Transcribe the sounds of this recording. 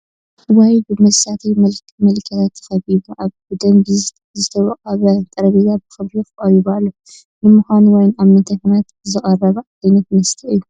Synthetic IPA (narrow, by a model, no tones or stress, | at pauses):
ɨwabɨmɐsat̪ʰijmɐlkmɐlkʰːɐt̪ʰat̪ʰːɨ̥xɐβiβuʔaβbɨd̪ɐmb | zɨt̪ʰɐwɐqʼɐβɐt̪ʼɐɾɐβizabɨxɨβɾijxʔʼɐjiβalːo | nɨmuxʷanuwɔjnaβnɐt̪ʰɐfɨnat̪zɨχʼɐrɐβɐ | ajnɐt̪mɐst̪ʰɐɨjːu